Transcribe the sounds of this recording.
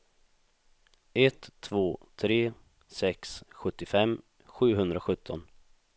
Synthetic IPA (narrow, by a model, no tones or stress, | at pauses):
ɛt̪ʰːvoːt̪ʰɾeː | sɛksɧɵt̪ːɪfɛm | ɧʉ̟ːɦɵnd̪ɾaɧɵt̪ʰːɔn